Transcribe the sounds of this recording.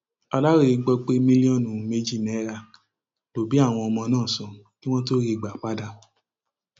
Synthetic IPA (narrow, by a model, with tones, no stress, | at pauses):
a˧la˦ɾe˦i˧ɡ͡bɔ˧k͡pe˦mĩ˦li˦ɔ̃˦˨nũ˨me˦d͡ʒi˦˨nɛ˨˦ɾa˧˨ | to˨bi˨˦a˦˨w̃ɔ̃˧ɔ˧mɔ̃˧nãː˦˨sɔ̃˨ | ti˦w̃ɔ̃˦to˦ɾi˦˧˨ɡ͡ba˨k͡pa˦da˧